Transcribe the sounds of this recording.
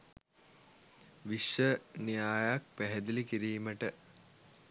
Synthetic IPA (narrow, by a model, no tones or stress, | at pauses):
ʋiʃʋənijaːjak̚pæɦɛd̪ilikiɾiːməʈə